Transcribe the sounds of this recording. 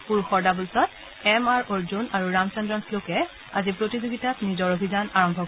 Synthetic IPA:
puɹxɔɹdabulsɔt̚ | ɛmaɹoɹzunaɹuɹamt͡ʃɔndɹɔnslokɛ | a̰zipɹotizoɡitatnizɔɹobʱizanaɹɔmbʱɔk

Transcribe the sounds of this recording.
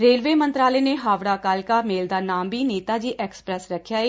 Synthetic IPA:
ɾeːlʋeːmənt̪ɾaːleːneːɦaːʋɽaːkaːlkaːmeːld̪aːnaːmbiːneːt̪aːd͡ʒiːʔɛːkspɾɛsɾəkʰːjaːeː

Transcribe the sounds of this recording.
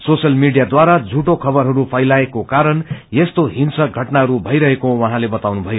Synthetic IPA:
sosʌlmiɽijad̪waɾad͡zʱuʈokʰʌbʌrɦʌɾupʰʌjlaekokaɾʌnjest̪oɦinsʌɡʱʌʈnaɦʌɾubʱʌjɾʌɦekowʌɦãlebʌt̪awnubʱʌjo

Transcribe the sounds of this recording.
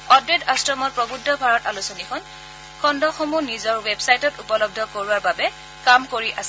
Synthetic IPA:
ɔdwedastɹɔmɔtpɹɔbudʱːɔbʱaɹɔtalusɔnikʰɔn | kʰɔndɔxomunizɔɹwebsajtɔtupɔlɔb̚dʱɔkoɹuaɹbabɛ | kamkoɹiʔasɛ

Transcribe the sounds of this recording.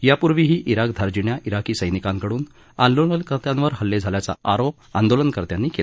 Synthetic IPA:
japuɾʋiːɦiːʔiɾakd̪ʱaɾd͡ʑiɳjaʔiɾakiːsəjnikãŋkəɽuːn | and̪oənkəɾt̪jãnʋəɾɦəlːed͡zʱaljat͡sa̰aɾop̚a̰nd̪olənkəɾt̪janːiːkela

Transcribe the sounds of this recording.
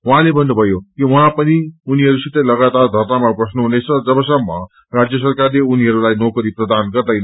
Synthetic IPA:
wuɦãlebʱʌnːubʱʌjokiuɦãpʌniuniɦʌɾusit̪ʌjlʌɡat̪ard̪ʱʌrnamaprʌsnuɦunet͡sʰʌd͡zʌbʌsʌmːʌ | rad͡zjʌs̬ʌrkarleuniɦʌɾulajnokʌɾiprʌd̪anɡʌrd̪ʌjn

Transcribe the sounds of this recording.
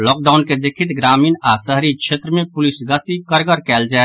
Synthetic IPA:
lɔːk̚ɖaːʊnked̪eːkʰɪt̪ɡɾaːmiːnaːsəɦɾikʃʰeːt̪ɾəmẽpʊlɪsɡəst̪ikəɾɡəɾkɛːld͡ʒaːe

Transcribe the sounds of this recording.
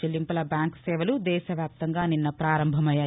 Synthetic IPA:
elːimpɐlɐbaːŋksɛːʋɐlud̪ɛːʃɐʋjaːp̚t̪ɐŋɡaːninːɐpɾaːɾɐmbʱɐmɐjaː

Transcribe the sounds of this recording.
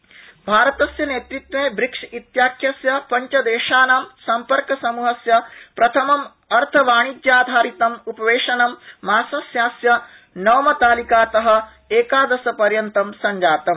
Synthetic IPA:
bʱaːɾɐt̪ɐsjɐneːt̪ɾit̪wʋẽːbɾikʂit̪jaːkʰjɐsjɐpɐɲt͡ʃɐd̪eːʃaːnaːmsɐmpɐɾkɐsɐmuːɦɐsjɐpɾɐt̪ʰɐmɐm | ɐɾt̪ʰɐʋaːɳ̃id͡ʒ̪jaːd̪ʱaːɾit̪ɐmupɐʋeːʂɐnɐmːaːsɐsjaːsjɐ | nɐːmɐt̪aːlikaːt̪ɐɦɐ̆ | eːkaːd̪ɐsɐpɐɾjɐnt̪ɐmsɐɲd͡ʒaːt̪ɐm

